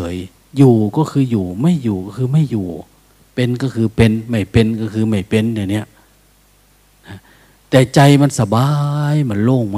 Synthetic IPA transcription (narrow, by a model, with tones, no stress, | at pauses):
ɤ˨˦j | juː˨˩kɔː˧˩kʰɯː˧juː˨˩ma˥˩˨jːuː˨˩kɔː˧˩kʰɯː˧˦ma˥˩jjuː˨˩ | pe˧nkɔ˧˩kʰɯː˧pe˧nma˧˥˩jpe˧nkɔ˧˩kʰɯː˧ma˧˩jpe˧nna˧˩˨ni˧˩ɐʔ | na˧˩ | t̪ɛː˨˩t͡ɕa˧jma˧˥˨nsa˧baː˧jma˧˩˨nloː˧˥˩ŋm˧